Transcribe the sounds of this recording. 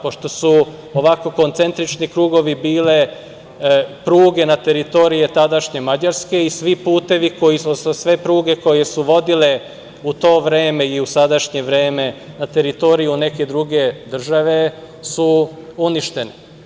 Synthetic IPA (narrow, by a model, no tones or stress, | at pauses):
po̞ʃt̪o̞su | oʋako̞ko̞nt̪se̞nt̪ɾit͡ʃnikɾuːɡo̞ʋibiːle̞ | pɾuːɡe̞nat̪e̞ɾit̪o̞ɾije̞t̪ad̪aʃɲe̞mad͡ʑaɾske̞isʋipuːt̪e̞ʋiko̞jisususʋe̞pɾuːɡe̞ko̞je̞suʋo̞d̪ile̞ | ut̪o̞ːʋɾe̞ːme̞iusad̪aʃɲe̞ʋɾeːme̞ | nat̪e̞ɾit̪o̞ɾijune̞ke̞d̪ɾuɡe̞d̪r̩ʒaʋe̞ | suuniʃt̪e̞ne